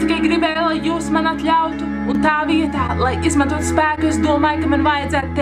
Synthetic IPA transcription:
t̪ikajɡɾibɛːjlˠajːuːsmanat̪ʎʲawt̪uːnt̪aːviɛt̪aːlˠajizmant̪uɔt̪spæːkuezd̪uɔmaːjkamanvajad̪zæːt̪t̪

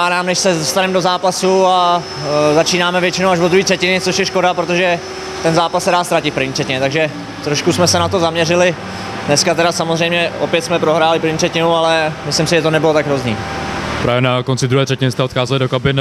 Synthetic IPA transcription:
aːdaːmnɛʃsɛzst̪anɛmdo̞zaːpasua | zat͡ʃiːnaːmɛvjɛt͡ʃɪnowaʒvod̪ɾuhiːt̪r̥ɛcɪnɪtt͡soʃjɛʃko̞dapɾot̪o̞ʒɛ | t̪ɛnzaːpassɛdaːst̪ɾacɪt̪pɾrvɲiːt̪r̥ɛcɪɲɛt̪aɡʒɛ | t̪ɾoʃkusmɛsɛnat̪o̞zamɲɛrɪlɪ | dnɛskat̪ɛɾasamozrɛjmɲɛʔopjɛt̪smɛpɾo̞ɦɾaːlɪpɾ̩vɲiːt̪ʰr̥ɛcɪnualɛmɪslɪmsɪʒɛt̪o̞nɛbɪlo̞t̪aɡɦɾozɲḭːpɾaːvjɛnakont͡sɪd̪ɾuɦɛːt̪r̥ɛcɪnɪst̪ɛot̪xaːzɛlɪdokabɪn

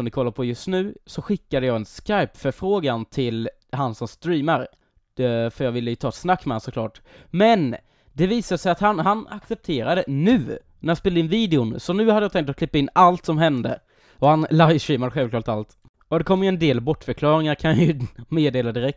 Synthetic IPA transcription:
ɔmd̪ɪkʰɔlːaɾpʰɔjɵst̪nʉ̟ːsɔɧɪkːad̪əjɑːɡɛnskajpfœɾfɾoːɡant̪ʰɪl | hansɔmst̪ɾiːmaɾ | fœjɑːɡvɪlːəjɵt̪ʰɑːɛt̪snakːmɛansɔkʰlɑ̰ːʈmɛn | d̪ɛviːsad̪əsɛjat̪hanɦanaksɛp̚t̪ʰeːɾad̪ənʉ̟ː | næɾjɑspeːlaɪnviːd̪ɛʊnsɔnʉ̟ːhad̪əjɑːt̪ɛŋk̚t̪ɔkʰlɪpːaɪnːalt̪sɔmɦɛnd̪ə | ɔhanlajvʂiːmad̪əɧɛlvklɑːʈt̪alt̪ | ɔd̪ɛkʰɔmːjəɛnd̪eːlbɔʈːfœɾkʰlɑːɾɪŋaɾkʰanjɑjɵmeːd̪eːlad̪ɪɾɛk̚t̪

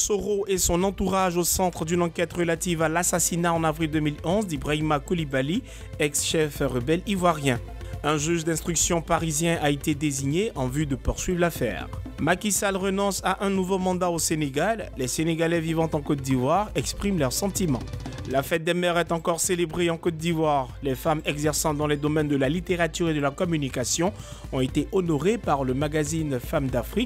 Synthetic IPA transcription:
soʁoʔɛsɔ̃nɑ̃t̪uʁaʒosɑ̃t̪χəd̪ynɑ̃kʲɛt̪ʁəlat̪ivalasasinaɑ̃navʁild̪ømilɔ̃zd̪ibʁaimakulibali | ɛksʃɛfʁəbɛlivwaʁjɛ̃ | ɛ̃ʒyʒd̪ɛ̃st̪χyksjɔ̃paʁizjɛ̃ʔaet̪ed̪eziɲeʔɑ̃vyd̪əpuʁsɥivʁlafɛ̰ːʁmakʲisalʁənɔ̃saʔɛ̃nuvomɑ̃d̪aoseneɡalːɛseneɡalɛvivɑ̃t̪ɑ̃kɔt̪̚d̪ivwaʁɛkspχimlœʁsɑ̃t̪imɑ̰̃lafɛt̪̚d̪ɛmɛʁɛt̪ɑ̃kɔʁselebʁeɑ̃kɔt̪̚d̪ivwaʁlɛfamɛɡzɛʁsɑ̃d̪ɑ̃lɛd̪ɔmɛnd̪əlalit̪eʁat̪yʁed̪əlakɔmynikasjɔ̃ | ɔ̃et̪eʔɔnɔʁepaʁləmaɡazinfamd̪afχik

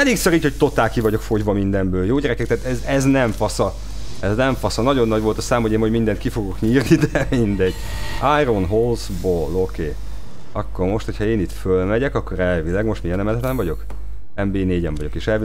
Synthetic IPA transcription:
ɛleːksøɾiːchoct̪o̞t̪aːlkivɒɟo̞kfo̞ɟvɒmind̪ɛmbøːljoːɟɛɾɛkɛkt̪ɛaːt̪ɛzɛznɛɱfɒsɒ | ɛznɛɱfɒsɒnɒɟo̞nːɒɟʋo̞lt̪ɒsaːmhoeːmoɟmind̪ɛnt̪kifo̞ɡo̞kɲiːrnid̪ɛmind̪ɛɟ | ajronɦolzboːlokeː | ɒkːormo̞ʃt̪ho̞cʰhɒeːnit̪følmɛɟɛkɒkːo̞ɾɛlvilɛɡmo̞ʃt̪mijɛnɛmɛlɛt̪ɛɱvɒɟo̞k | ɛmbeːneːɟɛɱvɒɟokeːʃɛlvi

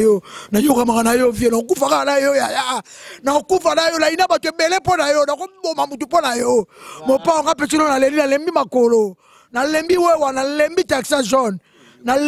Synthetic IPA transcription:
jonajokamakanajovienaokufakanajojajanaokufanajonainabatuebɛlɛponajonakobomamut̬uponajomopaŋɡapɛt͡ʃinɔnalelinalembimakolo | nalembiwewanalembitaksaʒɔn | nal

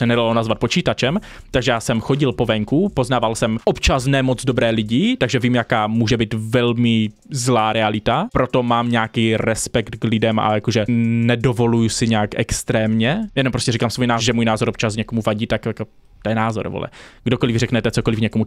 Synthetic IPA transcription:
sɛnɛdalonazvat̪̚pot͡ʃiːt̪at͡ʃɛm | t̪aɡʒɛjaːsɛmxo̞ɟɪlpo̞vɛŋkupo̞znaːvalsɛmʔopt͡ʃas̬nɛmod͡zdobɾɛːlɪɟɪt̪aɡʒɛviːmjakaːmuːʒɛbiːt̪vɛlmɪ | zlaːɾɛalɪt̪apɾo̞t̪o̞maːmɲaːkiːɾɛspɛkt̪ɡlɪdɛma̰jakoʒɛnɛdovo̞lujusɪɲɛaːkʔɛkst̪ɾɛːmɲɛjɛnompɾoscɛɾikaːmsvojnaːʒɛmuːjnaːzoɾʔopt͡ʃas̬ɲɛkomuvaɟiːt̪akjako | t̪ojɛnaːzo̰ɾvo̰lʔɛ̰ɡdokolɪvrɛknɛt̪ɛt͡sokolɪfɲɛkomu

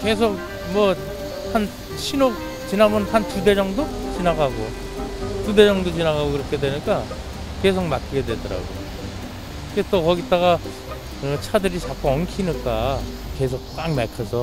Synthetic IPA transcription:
ke̞s̬ʰok̚ | mwʌ | han | t͡ɕʰinok̚ | t͡ɕinamɯnhantude̞d͡ʑʌŋdot͡ɕinaɡaɡo | tude̞d͡ʑʌŋdot͡ɕinaɣaɡokɯɾʌkʰe̞dwe̞ɲik͈a | ke̞sʰok̚mak͈ʰiɡe̞dwe̞dʌɾa̰ɡo̰j | ket͈okʌɡit͈aɣa | ɯt͡ɕʰadɯɾit͡ɕak͈ʰuʌnkʰinik͈a | ke̞sʰok̚k͈aŋmakʰasʰʌ

